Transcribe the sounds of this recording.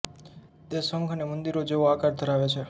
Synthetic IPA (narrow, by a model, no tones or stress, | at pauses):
t̪esəŋkʰnemənd̪iɾod͡ʒeʋoakaɾd̪ʱəɾaʋet͡ʃʰe